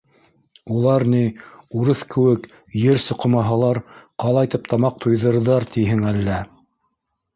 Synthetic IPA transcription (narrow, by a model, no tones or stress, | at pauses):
ulˠɑɾniuɾɤθkɘ̆wɘk | jɘɾsŏqɤ̆mɑɦɑlˠɑɾqɑlˠɑjt̪ɤp̚t̪ʰɑmɑq̚t̪ʰŏjðɤ̆ɾðɑɾt̪ʰiɦɘŋælːæ